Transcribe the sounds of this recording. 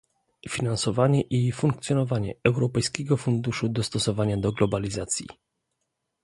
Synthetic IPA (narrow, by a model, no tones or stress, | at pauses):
fʲinansɔvaɲɛʔifuŋk̚t̪sʲjɔnɔvaɲɛ̰ɛwɾɔpɛjskʲɛɡɔfund̪uʂud̪ɔst̪ɔsɔvaɲad̪ɔɡlɔbalʲizat̪sʲjḭ